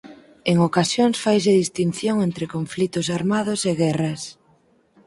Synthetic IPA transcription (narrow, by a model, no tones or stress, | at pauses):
eŋokasjoŋsfajs̬ɪðist̪inθjoŋent̪ɾɪkoɱflit̪ʊsaɾmað̞ʊseɣɛrɐs